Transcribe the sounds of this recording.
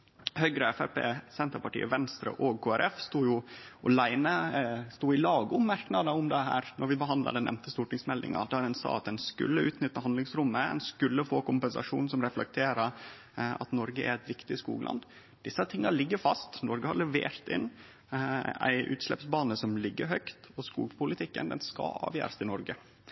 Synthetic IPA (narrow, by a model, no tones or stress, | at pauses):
hœʏɡɾəɛfæɾpḛːsɛnt̪əɾpɑʈḭːʔə̰ʋɛnst̪ɾə̰ʔɔɡkʰoːæɾʔɛfst̪uːjʊɔlæɪnəst̪uːɪlɑːɡʊmmɑɾknɑd̪əʊmd̪ɛɦæ̰ːɾnɔɾʋɪbəɦɑnd̪lɑ̰d̪ɛnʔɛ̰mt̪əst̪uːʈɪŋsmɛld̪ɪ̰ŋɑ̰d̪æɾdɛnsɑ̰ːɑt̪d̪ɛnskʉ̰lːəʉːt̪nʏt̪ːəhɑnd̪lɪŋsɾʊmːəɛ̰nskʉlːəfoːkʊmpɛnsɑ̰ʂuːnsɔmɾɛflɛk̚t̪ʰeːɾəɾ | ɑ̰t̪nɔɾɡəæ̰ɾæɪt̪ʋɪkt̪ɪskṵːɡəlɑ̰n | d̪̥ɪsːət̪ʰɪŋːɑɭɪɡːəfɑst̪nɔɾɡəhɑɾɭɛʋḛːɾt̪ɪ̰nː | æ̰ɪʔʉ̰ːt̪slɛ̰psbɑːnəsɔmlɪɡːəɾɦœkt̪ɔskṵːɡpʰʊlɪt̪ʰɪkːə̰nd̪ɛ̰nskɑ̰ɑ̰ːʋjø̰ːɾəsɪnɔɾɡə